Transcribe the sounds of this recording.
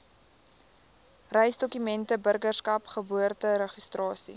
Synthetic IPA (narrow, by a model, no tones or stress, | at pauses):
rɛjsdɔkymɛntəbərɡərskɐpχəbuərtəɾəχistrɑːsḭ